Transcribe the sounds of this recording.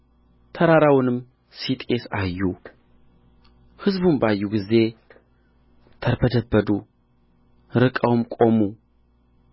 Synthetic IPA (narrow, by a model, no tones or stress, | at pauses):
t̪ʰəɾaɾawnɨm | sit̪ʼe̞sajːu | hɨzbumbajːuɡize̞ | t̪ʰəɾbəd̪əbːəd̪u | ɾɨkʼəwmkʼo̞mu